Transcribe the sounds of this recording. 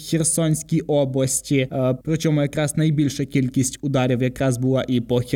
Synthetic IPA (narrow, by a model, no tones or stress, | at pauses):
xʲɛrsɔnʲsʲkʲijʔɔblˠɐsʲtʲipɾɔt͡ʃɔmʊjɐkɾɑsnɐjbʲilʲʃɐkʲilʲkʲisʲtʲʊd̪ɑɾʲiwjɐkɾɑzbʊlˠɑʔipɔxʲ